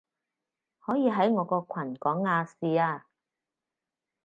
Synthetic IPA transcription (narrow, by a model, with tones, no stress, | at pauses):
hɔː˨˥jiː˨˧ɦɐ˨˥jŋɔː˨˧˥kɔː˧kʷʰɐ˨˩nkɔː˨˥ŋːaː˧siː˨˧aː˧